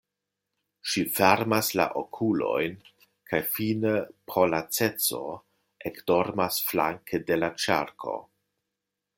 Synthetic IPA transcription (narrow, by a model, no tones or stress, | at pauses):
ʃifeɾmasla̰ʔokʰulo̞̰jn | kʰajfinepʰolat͡set͡so̞̰ | ekdo̞ɾmasfla̰ŋkʰede̞lat͡ʃa̰ɾkʰo̞̰